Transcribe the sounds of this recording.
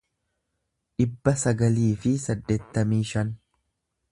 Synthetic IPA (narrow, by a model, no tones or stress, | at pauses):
ᶑɪbːɐsɐɡɐliːfɪsɐd̪ːe̞ːt̪ːɐmiːʃɐn